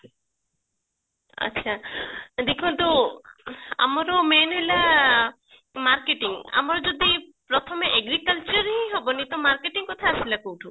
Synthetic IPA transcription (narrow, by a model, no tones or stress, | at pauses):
ɐ̰tːt͡ʃʰad̪ekʰũnt̪u | a̰mɔɾɔmenɦela | maɾkeʈiŋa̰mɔɾɔd͡ʒɔd̪ipɾɔt̪ʰɔmeʔeɡɾikəlt͡ʃɔɾɦĩɦɔbɔnit̪ɔmaɾkeʈiŋkɔt̪ʰasilakowʈʰu